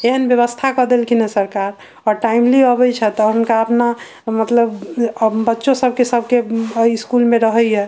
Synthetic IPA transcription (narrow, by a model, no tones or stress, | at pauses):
eɦənbjəβəst̪ʰakɔd̪elkʰinasəɾkaɾ | ɔɾʈaimliəbəjt͡ʃʰɛt̪ɔɦunkaəpna | mət̪ləb | bətːʃosəb̚ʱkesəbʱkeəiskulmẽɾəɦəjɛ